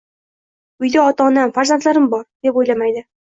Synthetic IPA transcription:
ɵjd̪ɪɒt̪ɒnæmfazant̪læɾɪmbɒɾd̪̥e̞pojlˠamajd̪ɪ

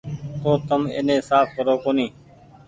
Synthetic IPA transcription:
t̪oːt̪əmḛːnẽːsaːpkəɾoːkoːniː

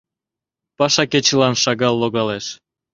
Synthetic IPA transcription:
pɑʃɑket͡ɕə̆lɑnʃɑɣɑlːoɣɑleʃ

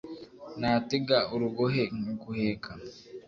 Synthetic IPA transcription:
naːteɡauɾuɡoɦeŋkuhekʰa

